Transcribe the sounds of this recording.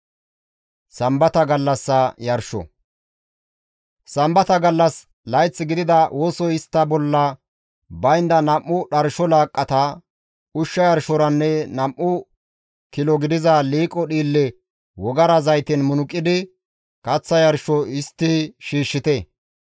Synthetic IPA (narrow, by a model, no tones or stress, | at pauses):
sɐmbɐt̪ɐɡɐlːɐsːɐjɐɾʃɔ̰ | sɐmbɐt̪ɐɡɐlːɐs | lɐjt͡sːɪɡɪd̪ɪd̪ɐwʔoːsɔɪst̪ːɐbɔlːɐ | bɐjnd̪ɐnɐmːʊɗɐɾʃɔlaːkʼːɐt̪ɐ | ʊʃːɐjɐɾʃɔɾɐnːɛnɐmʔːʊ | kɪlɔɡɪd̪ɪzɐliːkʼɔɗiːlːɛ | wɔɡɐɾɐzɐjt̪ɛnmʊnʊkʼːɪd̪ɪ | kʼɐt͡sːɐjɐɾʃɔɪst̪ːɪʃiːʃːɪt̪ɛ